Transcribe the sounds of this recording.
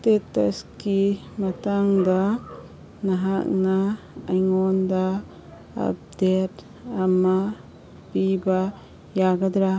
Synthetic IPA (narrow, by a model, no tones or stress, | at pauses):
tetːɐ̰ski | mataŋda | naɦak̚naː | jŋɔnda | a̰p̚det | ama | b̥iba | jaɡadɾa